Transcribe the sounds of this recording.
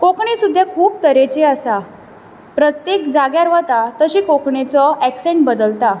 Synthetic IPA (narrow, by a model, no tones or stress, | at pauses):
kokɳesud̪ʱːjakʰuːp̚t̪əɾet͡ɕeasa | pɾət̪jekd͡zaɡjaɾʋət̪at̪əɕiːkokʰɳet͡sɔækseɳʈ̚bəd̪əlt̪a